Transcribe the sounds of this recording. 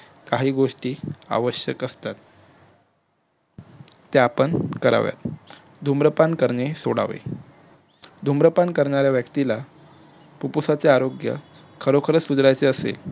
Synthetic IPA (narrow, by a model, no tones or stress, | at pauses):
kaɦiːɡoʂʈiːa̰ʋəɕjəkəst̪at̪̚ | t̪ːeapəɳkəɾa̰ʋja̰t̪ | d̪ʱumɾəpankəɾɳesoɽa̰ʋḛ | d̪ʱumɾəpankəɾɳaɾjaʋjəkt̪ila | pupusat͡seaɾoɡjə̰ | kʰəɾokʰəɾəsud͡zɾajt͡seəsḛl